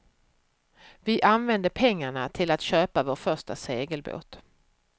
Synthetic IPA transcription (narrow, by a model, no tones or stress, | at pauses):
vɪʔanvɛnd̪əpʰɛŋːaɳat̪ʰɪlat̪ɕøːpavoːʈfœʂʈa̰seːɡəlbo̰ːt̪